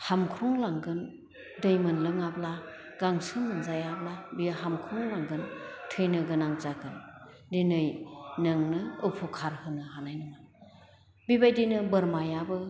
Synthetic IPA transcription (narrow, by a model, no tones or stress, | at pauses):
hamkʰɾuŋlaŋɡɯn | dɯjmɯnlɯŋabla | ɡ̥aŋsɯmɯnzajablabijaɦamkʰɾuŋlaŋɡɯntʰɯjnɯɡɯnaŋzaɡɯn | dinɯjnɯŋnɯɯpʰukʰaɾhɯnɯhanajnɯŋa | bibajdijnɯbɯɾmajabɯ